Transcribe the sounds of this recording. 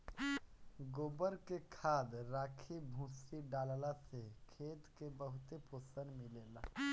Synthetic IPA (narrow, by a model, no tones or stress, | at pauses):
ɡoːbəɾkekʰaːd̪ɾaːkʰibʱũːsiɖaːllasekʰeːt̪kebəɦʊt̪eposənmileːla